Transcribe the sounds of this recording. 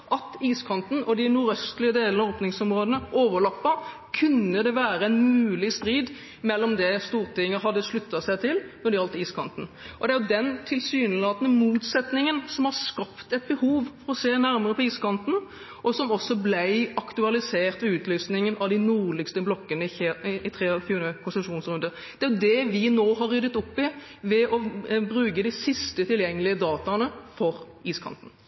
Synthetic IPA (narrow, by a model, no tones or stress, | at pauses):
ʔɑt̪iːskʰɑnt̪n̩ʔɔd̪ɪnʊːɾœst̪lɪəd̪eːlənəoːpnɪŋsɔmɾoːd̪ənəʔoːʋəlɑpːɑ | kʰʉnːəd̪ɛʋæːɾəɛnmʉːlɪst̪ɾiːd̪ | mɛlːɔmd̪ɛst̪uːʁt̪ɪŋːəɦɑd̪ːəʂlʉt̪ːɑsæɪt̪ʰɪlnɔɾd̪ɪɑlt̪iːskʰɑnt̪n̩ʔɔd̪ɛæɾjʊd̪ɛnt̪ʰɪlsyːnlɑːt̪nəmuːt̪sɛt̪nɪŋənsɔmhɑʁskɑpt̪ɛt̪̚bəhuːʋfɔɾɔseːnæɾməʁəpʰɔiːskʰɑnt̪n̩ | ʔɔsɔmɔsːɔblæɪʔɑkt̪ʉɑlɪseːʁt̪ʋɛʉːt̪ʰlyːsnɪŋənɑʋd̪ɪnuːʁlɪkst̪əblɔkːənəɪɪt̪ʰɾeːfʉːnkʰʊnsəmʂuːnsʁʉnd̪ə | d̪̥ɛæɾjʊd̪ɛʋɪnoːɦɑɾːʏd̪ət̪ɔpːɪ | ʋɛʔɔbɾʉːkəd̪ɪsɪst̪ət̪ʰɪljɛŋːəlɪəd̪ɑːt̪ɑnəfɔɾ | iːskʰɑ̰nt̪n̩